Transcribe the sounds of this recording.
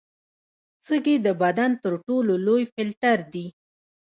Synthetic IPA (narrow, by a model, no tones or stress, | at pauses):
t͡səɡed̪əbad̪ant̪əɾʈololojfɪlt̪aɾd̪i